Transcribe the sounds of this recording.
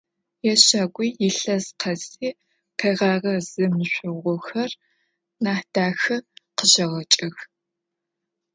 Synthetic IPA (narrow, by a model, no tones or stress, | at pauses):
jɛɕaːɡʷʼijɪɬɐzqʰɐziː | pʰɐjʁɑːʁɐz̥ɨmɨɕʷʊʁʷʊxɐr | naːħd̥aːxɐqəʒɐʁɐt͡ʃʼɐx